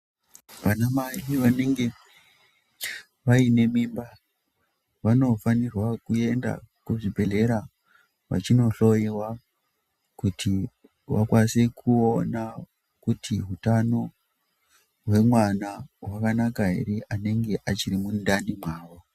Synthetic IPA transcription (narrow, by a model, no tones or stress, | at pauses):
ʋanamaiʋane̞ŋɡe̞ | ʋaine̞miːmba | ʋano̞fanirwakue̞nda̰kuʐibʱe̞ɮe̞ɾa | ʋa̰t͡ʃino̞ɬo̞jiwa | kutʰi | wa̰kwase̞kʰuona | kutʰiɦutano̞ | ɦwe̞mwanawakanakaɦḛɾeʔane̞ŋɡe̞ʔat͡ʃirimundanimaːʋo